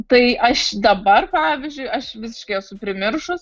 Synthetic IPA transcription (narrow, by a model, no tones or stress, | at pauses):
t̪ɐɪʔɐʃd̪ɐbɐrpɑːʋʲɪzʲd͡ʒʲʊɪɐʃʋʲɪsʲɪ̥ʃkɐɪɛsʊpʲɾʲɪmʲɪrʃʊs